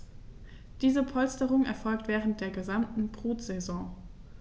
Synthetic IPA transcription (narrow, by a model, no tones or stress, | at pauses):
d̥iːzəpʰɔlstəʁʊŋɛɐfɔlktv̥ɛːʁənt̚d̥eːɐɡəzamtn̩bʁ̥uːtz̥ezɔ̃ː